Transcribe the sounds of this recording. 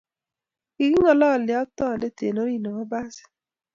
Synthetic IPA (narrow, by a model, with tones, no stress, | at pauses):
i˨ɡi˦ŋɔ˨lɔ˦˨lɪ˨ɔ˦tɔ˦˨ne˦tḛ˨no˦ɾi˦˨no˨ma˦ba˦sɪ̥˨